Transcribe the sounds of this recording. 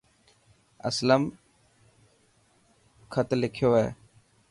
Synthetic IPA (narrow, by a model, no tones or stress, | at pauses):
ə̰sləm | kʰət̪lɪkʰjoːɦeː